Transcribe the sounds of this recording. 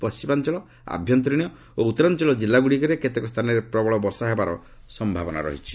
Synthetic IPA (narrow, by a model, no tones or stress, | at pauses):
pɔst͡ʃimant͡ʃɔɭɔ | a̰bʱjɔnt̪̬ɾiɽ̃ijɔ | out̪ːɔɾant͡ʃɔɭɔd͡ʒilːaɡuɽikɔɾeket̪ekɔst̪ʰanɔɾepɾɔbɔɭɔbɔɾsaɦebaɾɔ̰ | sɔmbʱabɔna̰ɾɔ̰ɦit͡ʃʰi̥